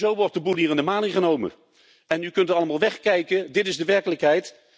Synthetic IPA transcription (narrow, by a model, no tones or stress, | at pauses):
zowʋɔɹt̚dəbulˠɦiːrɪndəmaːnɪχənowmə̰ | ɛnykɵntɑlˠəmaːlˠʋɛχkɛjkədɪtɪzdəʋɛɹkələkɦɛjt